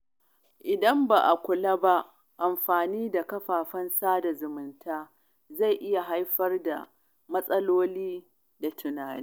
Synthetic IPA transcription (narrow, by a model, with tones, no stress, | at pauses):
ʔɪ˨dɐ˦mba˨ʔa˨kʷʊ˨la˦ba˦ʔ | ʔa˨mɸaː˨niː˦da˨kɐ˦ɸaː˨ɸɐ˦nsaː˦da˨zʊ˨mʊ˨ntʰaː˦ | za˦˨jʔɪ˦ja˨ɦa˦jɸɐ˦rda̰˨ | mɐ˦sʼɐ˦loː˦liː˦ | da˨tʰʊ˨naː˨niː˦